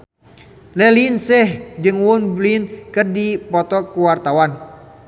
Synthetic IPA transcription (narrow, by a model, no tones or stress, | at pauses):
lɛlinsɛhd͡ʒɨŋwunblinkɨrdipɔt̪ɔkuwart̪awan